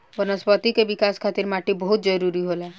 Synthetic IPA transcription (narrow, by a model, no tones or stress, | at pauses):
ʋənəspət̪ikebikaskʰat̪iɾmaʈibəɦut̪̚d͡ʒəɾuɾiɦola